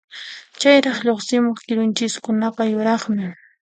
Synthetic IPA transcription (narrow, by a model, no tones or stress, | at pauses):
t͡ʃajɾɑχʎoχsɪmoχkɪɾʊnt͡ʃɪskʊnapajʊɾɑχmɪ